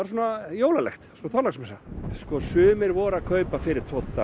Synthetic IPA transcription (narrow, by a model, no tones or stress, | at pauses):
aɾsuːnajoːwlalɛ̰xt̪sunaθɔɾlaksmɛsaskɔsʏːmɪɾvɔːɾaðkʰœɥpafɪɾɪɾ̥t̪ʰɔt̪ːa